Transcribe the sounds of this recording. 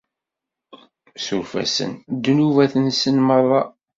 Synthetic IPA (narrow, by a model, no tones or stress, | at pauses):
suɾfæ̰sə̰nd̪ːnuvæθənsənmərˤːɑ